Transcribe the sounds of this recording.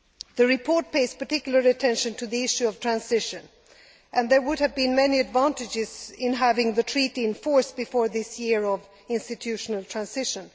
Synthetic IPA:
ðɨɹɨpʰɔɹt̚pʰeɪz̥pə˞tɪkjl̩ˠə˞ɨtʰɛ̃nʃɨ̃ntʰɨðiɪʃʉʌv̥tʰɹ̥æ̃nzɪʃɨ̃n | ʔɨ̃nðə˞wʊdɨvbĩnmɛniɨdvæ̃ntɨd͡ʒɪz̥ɪ̃nɦævɪ̃ŋðɨtʰɹ̥iɾiɨ̃nfɔɹsb̥ɨfɔɹðɪsjɪɹʌv | ɪ̃nstɨtʰʉʃnəlˠtʰɹ̥æ̃nsɪʃə̃n

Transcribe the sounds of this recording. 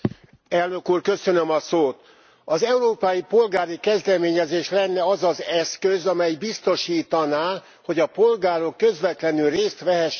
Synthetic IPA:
ɛlnø̞kuːrkø̞sø̞nømɒsoːt̪ | ɒzɛuɾoːpɒjipo̞lɡaːɾikɛzd̪ɛmeːɲɛzeːʃlɛnːɛɒzɒzɛskøzɒmɛjbist̪o̞ʃiːt̪ɒnaː | ho̞ɟɒpo̞lɡaːɾo̞kːø̞zʋɛt̪lɛnylreːst̪ʋɛɦɛʃ

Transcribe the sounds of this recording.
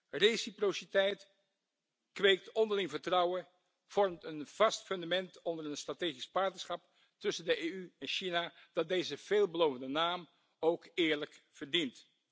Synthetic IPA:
rejsiprositɛjt | kʋejk̚tɔndəɹlɪŋvəɹtrɑwə | v̥ɔɹmtənv̥ɑstfɵndamɛntɔndəɹənstrateːχispɑɹtnəsχɑp | tɵsəndəʔejyɛnʃinad̥ɑt̚dejzəv̥eːlˠbəlowvəndənaːm | owkɪːɹləkv̥əɹdint

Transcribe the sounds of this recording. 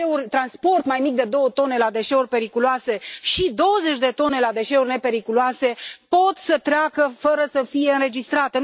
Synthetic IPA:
eurʲt̪ɾanspo̞rt̪majmik̚d̪e̞d̪o̞wət̪o̞ne̞lad̪e̞ʃe̞urʲpe̞ɾikuloase̞ʃid̪o̞wəze̞t͡ʃʲd̪e̞t̪o̞ne̞lad̪e̞ʃe̞urʲne̞pe̞ɾikuluase̞po̞t̪sət̪ɾeakəfəɾəsəfije̞ɨnɾe̞d͡ʒist̪ɾat̪e

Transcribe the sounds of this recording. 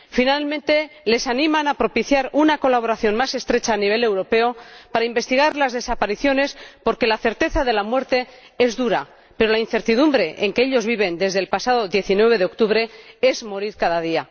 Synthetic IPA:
finalmẽnt̪e̞le̞sanĩmanapɾo̞piθjaɾunako̞laβ̞o̞ɾaθjo̞nmase̞st̪ɾe̞t͡ʃaːniβ̞e̞le̞wɾo̞pe̞opaɾaimbe̞st̪iɣ̞aɾlazðe̞sapaɾiθjo̞ne̞spo̞ɾke̞laθe̞ɾt̪e̞θaðe̞lamwe̞ɾt̪e̞ | e̞zðuɾa | pe̞ɾo̞lain̟θe̞ɾt̪iðumbɾe̞ʔeŋkeeʎo̞zβiβ̞e̞nd̪e̞zðeːlpasaðo̞ðje̞θinwe̞β̞e̞ðeo̞k̚t̪uβ̞ɾe̞e̞zmo̞ɾiɾkaðaðia

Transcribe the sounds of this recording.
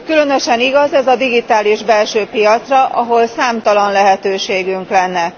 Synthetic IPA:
kylø̞nøʃɛniɡɒzɛzɒd̪iɡit̪aːliʒbɛlʃøːpijɒt̪srɒʔɒɦo̞lsaːmt̪ɒlɒnlɛɦɛt̪øːʃeːɡyŋklɛnːɛ

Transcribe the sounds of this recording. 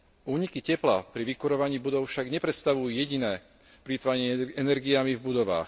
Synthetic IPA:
uːɲikicɛpla̰pɾiʋikuɾɔʋaɲiːbud̪ɔʊfʃaɡɲɛpɾɛt̪st̪aʋujujɛɟinɛː | pɾit̪ʋaɲɪɛɛnɛɾɡiamivbud̪ɔʋa̰ːx

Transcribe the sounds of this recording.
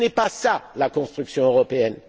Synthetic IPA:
nɛpasalakɔ̃st̪χyksjɔ̃øʁɔpeɛn

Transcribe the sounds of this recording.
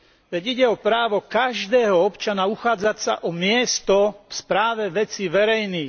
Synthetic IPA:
ʋɛɟiɟɛɔpɾaːʋɔkaʒd̪ɛːɦɔɔpt͡ʃanauxaːd͡zacsa̰ʔɔmɪɛst̪ɔfspɾaːʋɛʋɛt͡siʋɛɾɛjniː

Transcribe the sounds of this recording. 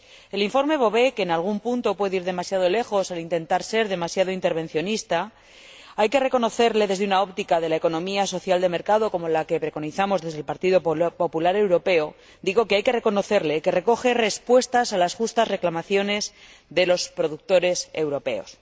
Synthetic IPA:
eliɱfo̞ɾme̞β̞o̞βe̞ke̞ːnalɣ̞umpunt̪o̞pweðeiɾðe̞masjaðo̞le̞xo̞salint̪e̞nt̪aɾse̞ɾðe̞masjaðo̞int̪e̞ɾβẽ̞n̟θjo̞nist̪a | ajke̞re̞ko̞no̞θe̞ɾleðe̞zðeunao̞pt̪ikaðe̞lae̞ko̞nõ̞miaso̞θjald̪eme̞ɾkaðo̞ko̞molake̞pɾe̞ko̞niθamo̞zðe̞zð̞elpaɾt̪iðo̞po̞pulaɾe̞wɾo̞pe̞o̞ | d̪iɣo̞ke̞ajke̞re̞ko̞no̞θe̞ɾle̞ke̞re̞ko̞xe̞re̞spwe̞st̪asalasxust̪azre̞klamaθjo̞ne̞z | ðe̞lo̞spɾo̞ðuk̚t̪o̞ɾe̞se̞wɾo̞pe̞̰o̞̰s

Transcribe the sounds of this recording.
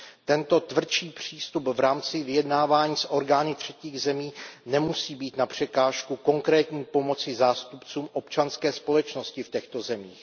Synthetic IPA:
t̪ɛnt̪o̞t̪vr̩t͡ʃiːpr̝̥iːst̪upvɾaːmt͡sɪvɪjɛdnaːvaːɲiːsʔo̞ɾɡaːnɪt̪r̝̥ɛciːɣzɛmiːnɛmusiːbiːt̪napr̝̥ɛkaːʃkuko̞ŋkɾɛːt̪ɲiːpo̞mo̞t͡sɪzaːst̪upt͡suːmʔo̞pt͡ʃanskɛːspo̞lɛt͡ʃnoscɪfcɛxt̪o̞zɛmḭːx

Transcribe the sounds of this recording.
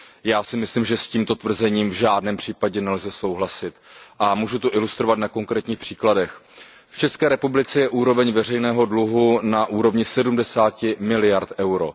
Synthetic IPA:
jaːsɪmɪslimʒɛsciːmt̪ot̪vr̩zɛɲiːmvʒaːdnɛːmpr̝̥iːpaɟɛnɛlzɛso̞wɦlasɪt̪ʔamuːʒut̪uʔɪlust̪ɾo̞vat̪nako̞ŋkɾɛːt̪ɲiːxpr̥iːkladɛx | ft͡ʃɛskɛːɾɛpublɪt͡sɛjɛʔuːɾo̞vɛɲvɛr̝ɛjnɛːɦo̞dluɦunaʔuːɾo̞vɲɪsɛdumdɛsaːcɪmɪlɪjaɾt̪ʔɛwɾo̞̰

